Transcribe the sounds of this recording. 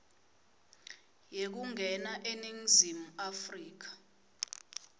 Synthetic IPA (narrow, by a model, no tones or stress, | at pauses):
jek̬uŋʱɛnaʔeniŋzimuafriːk̬ḁ